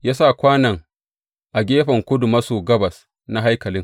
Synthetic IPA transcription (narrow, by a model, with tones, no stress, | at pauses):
jaː˦sa˦˨kʷaː˦nɐ˨ŋ | ʔa˨ɡʲeː˦ɸɐ˨ŋkʷʊ˦dʊ˨mɐ˦suː˨ɡɐ˦bɐ˨s | na˦ɦa˦jkɐ˨lɪ˦ŋ